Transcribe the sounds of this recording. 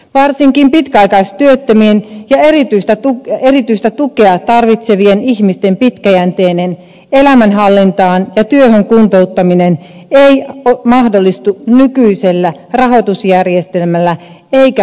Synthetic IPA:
ʋɑrsiŋkimpit̪kæɑikɑist̪yøt̪ːømienjɑerit̪yist̪æt̪uerit̪yist̪æt̪ukeɑt̪ɑrʋit̪seʋieniçmist̪e̞mpit̪kæjænt̪eːnen | elæmænɦɑlːint̪ɑːnjɑt̪yøhøŋkunt̪out̪ːɑmineneiomɑhdolːist̪unykyiselːærɑɦo̞t̪usjærjest̪e̞lmælːæ | eikæ

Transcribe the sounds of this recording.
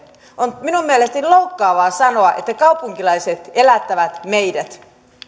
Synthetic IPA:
onminummielest̪eniloukːɑːʋɑːsɑnoɑʔet̪ːækɑupuŋkilɑiset̪elæt̪ːæʋæt̪meidæt̪

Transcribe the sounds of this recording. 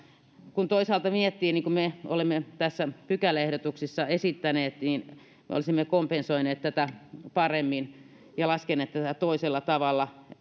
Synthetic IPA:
kunt̪oisɑːlt̪ɑʋiet̪ːiːniŋkummeo̰lemːet̪æsːæpykælːæehdot̪uksisːɑesit̪ːæneːt̪nin | mḛo̰lisimːekompensoineːt̪t̪æt̪æpɑremːin | jɑlɑskenˑeːt̪t̪ːæt̪æt̪oiselːɑt̪ɑʋɑlːɑ

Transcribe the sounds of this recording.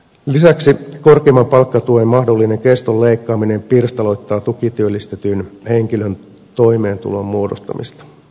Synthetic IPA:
lisæksiko̞rkeːmɑmpɑlkːɑt̪uemmɑhdo̞lːine̞ŋkest̪olːe̞ikːɑːmine̞mpirst̪ɑlo̞jt̪ːɑːt̪ukit̪yølːist̪et̪yːnhe̞ŋkiløn | t̪o̞ime̞ːnt̪ṵlommuodost̪ɑ̰mḭst̪ɑ̥

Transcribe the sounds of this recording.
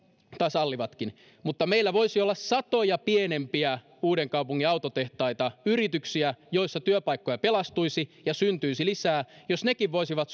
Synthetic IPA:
t̪ɑˑsɑlːiʋɑt̪kin | mut̪ːɑmeilːæʋoisiolːɑssɑt̪ojɑpienempiæ | uːɾeŋkɑupuŋːiɑut̪ot̪eht̪ɑit̪ɑyrit̪yksiæjoisːɑt̪yøpɑikːojɑpelɑst̪uisijɑsynt̪yisilisæːjosnekiʋʋoisiʋɑt̪

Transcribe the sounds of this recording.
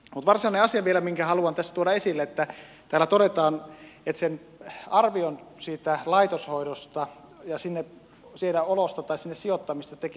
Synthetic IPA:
mut̪ʋɑrsiɑneɑsiɑʋielæmiŋkæhɑluɑnt̪æsːæt̪uoɾɑesilːeet̪ːæ | t̪æːlæt̪oɾet̪ɑːnet̪sen | ɑrʋionsiːt̪ælɑit̪oshoidost̪ɑ | jɑsinːe | sieɾæolost̪ɑt̪ɑisinːessiot̪ːɑmist̪ɑt̪eke

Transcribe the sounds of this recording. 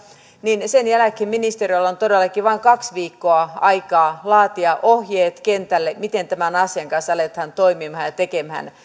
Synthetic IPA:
ninsenjælækheminist̪eriolːont̪odelːɑkiʋɑiŋkɑksʋiːkːoɑɑikɑːlɑːt̪iɑʔohjeːt̪kent̪ælːemit̪ent̪æmænɑsiɑŋkɑnsɑlet̪hænt̪oimimhɑnjɑt̪ekemhæ̰n

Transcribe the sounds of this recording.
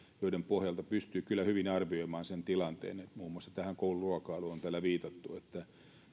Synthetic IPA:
joiɾempohjɑlt̪ɑpyst̪yːkylːæhyʋinɑrʋioimɑːnsent̪ilɑnt̪ḛːnet̪muːmːoɑst̪ɑ̥t̪æhæŋkouluruɑkɑluont̪æːlːæʋiːt̪ɑt̪ːuet̪ːæ

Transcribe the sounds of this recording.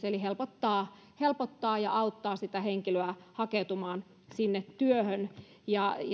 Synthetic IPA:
seolihelpot̪ːɑː | helpot̪ːɑːjɑʔɑut̪ːɑːsit̪æheŋkiløæhɑket̪umɑːn | sinːet̪tyøhøn | jɑj

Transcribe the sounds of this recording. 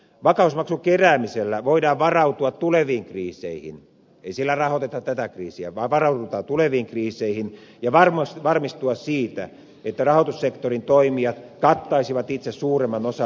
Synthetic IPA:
ʋɑkɑusmɑksukeræːmiselːæʋoidɑːʋʋɑrɑut̪uɑt̪t̪uleʋiːŋkriːsḛihḭn | eisilːærɑhot̪et̪ɑtt̪æt̪ækriːsiæ̰ʋɑʋɑrɑut̪ut̪ɑt̪uleʋiːŋkriːseihinjɑʋɑrmsʋɑrmist̪uɑssiːt̪æ̰ | et̪ːærɑhot̪ussekt̪orint̪oimiɑt̪kɑt̪ːɑisiʋɑt̪it̪sessuːremːɑnosɑ

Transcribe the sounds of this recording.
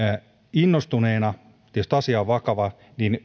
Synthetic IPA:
inːost̪uneːnɑ | t̪ist̪ɑsiɑʋʋɑkɑʋɑ | nin

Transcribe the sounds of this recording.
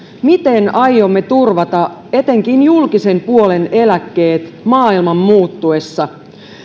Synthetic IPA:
mit̪e̞nɑjːo̞mːe̞t̪urʋɑt̪ɑe̞t̪e̞ŋkinjulkise̞mpuo̞le̞ne̞lækːe̞ːt̪mɑːilmɑmːuːt̪ːue̞sːɑ

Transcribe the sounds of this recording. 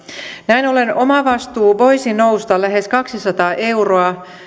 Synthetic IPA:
næinolenomɑʋɑst̪uːʋo̞isinoust̪ɑlæɦe̞skɑksisɑt̪ɑːʔe̞uroɑ

